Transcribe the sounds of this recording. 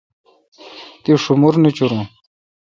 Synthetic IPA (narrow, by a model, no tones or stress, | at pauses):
t̪iʂumuɾnit͡ɕuɾũː